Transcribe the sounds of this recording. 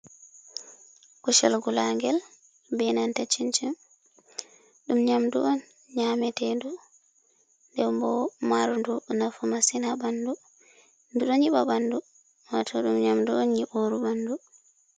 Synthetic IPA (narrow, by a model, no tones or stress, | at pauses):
kɔʃɛlɡulaŋɡɛl | bɛnantat͡ʃint͡ʃim | ɗumɲamduʔɔn | ɲamɛtɛndu | ndɛbɔmaɾundunafumasinabandu | nduɗɔɲiɓabandu | watʰɔɗumɲamduɔnɲiɓoɾubandu